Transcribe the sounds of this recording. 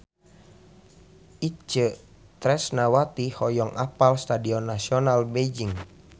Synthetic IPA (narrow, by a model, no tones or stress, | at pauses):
ʔit͡ʃə | t̪ɾɛsnawat̪ihɔjɔŋʔapalst̪adiɔnːasiɔnalbed͡ʒiŋ